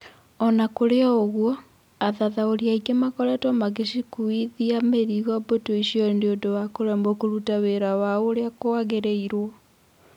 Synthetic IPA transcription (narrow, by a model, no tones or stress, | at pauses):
ɔnakoɾeɔoɣwɔ | aðaðaoɾiaikemakɔɾɛtɔmaɣeʃikuiðiameɾiɣɔbotoiʃiɔndeondowakoɾɛmbɔkoɾutaweɾawaoːɾeakoaɣeɾeiɾwɔ